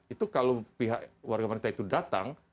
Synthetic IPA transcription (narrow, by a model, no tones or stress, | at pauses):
it̪ukalopiɦaʔwarɡamaɾint̪ait̪udat̪a̰ŋ